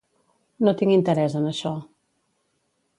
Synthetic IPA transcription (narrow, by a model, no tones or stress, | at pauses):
not̪iŋint̪əɾɛzənəʃɔ